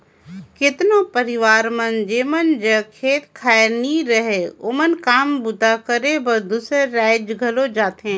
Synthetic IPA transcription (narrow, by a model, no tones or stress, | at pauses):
kɪt̪ɪnopɐɾɪʋaːɾmɐnd͡ʑeːmənd͡ʑekʰeːt̪kʰaːɾniɾɐɦeʊmənkaːmbʊd̪akɐɾebɐd̪useːɛːɪd͡ʒɡʱɐlod͡ʒaːt̪ẽː